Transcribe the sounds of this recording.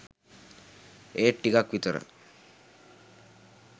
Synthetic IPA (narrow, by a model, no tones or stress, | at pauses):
eːʈʈːikakʋit̪əɾə̰